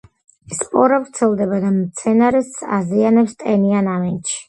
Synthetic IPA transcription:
spʼɔɾavɾt̪sʰɛlˠd̪ɛbad̪amt̪sʰɛnaɾɛsa̰zianɛpst̪ʼɛnianavɛnt̪ʃi̥

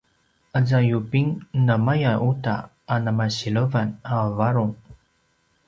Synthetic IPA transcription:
ʔazajupiŋnamajaʔuta̰ | anamaɕiɭəvanavaɾuŋ

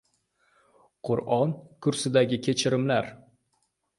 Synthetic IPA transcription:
qʰʊɾɒnkʰʊɾsɪd̪aɡʲɪkʲʰe̞t͡ʃʰɪɾɪmlaɾ

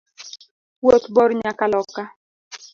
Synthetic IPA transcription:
wot̪bɔɾɲakalɔka

